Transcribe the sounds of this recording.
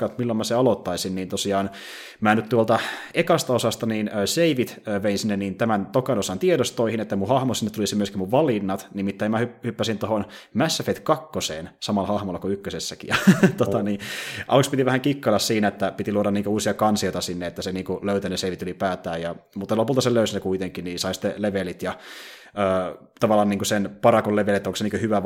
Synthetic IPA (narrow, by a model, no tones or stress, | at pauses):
kɑt̪milːomæseɑlot̪ːɑisinniːnt̪osiɑːn | mæːnyt̪t̪uolt̪ɑekɑst̪ɑosɑst̪ɑniːnøːseiʋit̪øːʋeinsinːenniːnt̪æmænt̪okɑnosɑnt̪ieɾost̪oihinet̪ːæmuhɑhmosinːet̪ːulisimyøskimuʋʋɑlinːɑt̪nimit̪ːæimæhyhypːæsint̪ohonmæsːæfet̪kɑkːosḛːnsɑmɑlɑhɑhmolːɑkuykːøsesːækijɑt̪ot̪ɑniːʔɑ̰lukspit̪iʋæhæŋkikːɑlɑssiːnæet̪ːæpit̪iluoɾɑniːŋkøuːsiɑkɑnsioit̪ɑsinːeet̪ːæseniːŋkuløyt̪æneseiʋit̪ylipæːt̪æːjɑmut̪ːɑlopult̪ɑseløysnekuit̪eŋkinnisɑisi̥t̪ːeleʋelit̪jɑ | øː | t̪ɑʋɑlːˑɑːniːŋkusenpɑɾɑkolleʋelet̪ːoŋkseniːkøhyʋæ